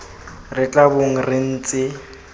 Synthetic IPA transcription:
rɪt͡ɬʼaboŋ̩rɪn̩ːt͡sʼɪ

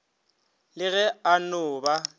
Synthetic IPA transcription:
lɪɣɛanʊːba

